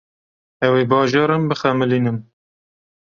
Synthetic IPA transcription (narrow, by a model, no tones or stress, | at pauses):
ɛweːbɑːʒɑːɾɨmbɨxɛmɨliːnɨm